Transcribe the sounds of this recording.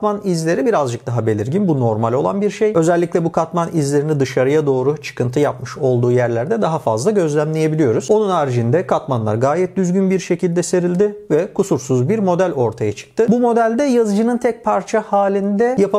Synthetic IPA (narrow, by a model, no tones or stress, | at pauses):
manizlʲe̞ɾibiɾazd͡ʒɯk̚d̪aɦabe̞lʲiɾɟinbuno̞ɾmalʲo̞lˠa̰nbiɾʃejø̞zɛlʲːiclʲɛbukʰat̪manizlʲe̞ɾinid̪ɯʃaɾɯjad̪o̞ːɾut͡ʃʰɯ̥kɯnt̪ʰɯjapmɯʃo̞lˠd̪uːjæɾlʲæɾd̪ɛd̪aɦafa̰zlˠaɟø̞zlʲæmlʲeje̞bilʲijo̞ɾuz̥o̞nunaːɾd͡ʒind̪ɛkʰat̪manlˠa̰ɾɡaːjɛt̪̚d̪yzɟynbiɾʃe̞cʰilʲd̪ɛse̞ɾilʲd̪ɪvɛkʰusuɾsuzbiɾmo̞d̪ælʲo̞ɾt̪ʰajat͡ʃʰɯ̥k̚t̪ʰɯbumo̞d̪ælʲd̪ɛjazd͡ʒɯnɯnt̪ʰɛc̚pʰaɾt͡ʃʰahaːlʲind̪ɛjapa